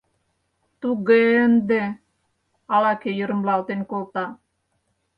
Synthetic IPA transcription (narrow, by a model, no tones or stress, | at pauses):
t̪uɡend̪e | ɑlɑkejɯɾɯ̆mlɑlt̪enʲkolt̪ɑ